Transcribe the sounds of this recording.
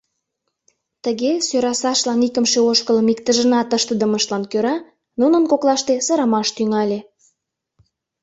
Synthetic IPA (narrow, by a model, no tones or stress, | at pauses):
t̪əɣesøɾɑsɑʃlɑnikəmʃeoʃkələmik̚t̪əʒənɑt̪əʃt̪əd̪ə̆məʃlɑnkøɾɑ | nunənkoklɑʃt̪esɤɾɑmɑʃt̪yŋɑlʲe